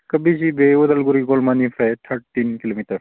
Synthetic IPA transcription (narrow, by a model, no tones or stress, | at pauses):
kɐbʱiʃibeʋɐd̪əlɡuɾiɡoːlmaːnifʰat̪ʰəɾʈʈinkilomiʈəɾ